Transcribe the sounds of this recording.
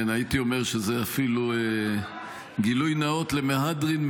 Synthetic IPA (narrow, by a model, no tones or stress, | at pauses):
nait̪io̞meʁʃezeafilue | ɡilujnao̞t̪lemeɦadʁinm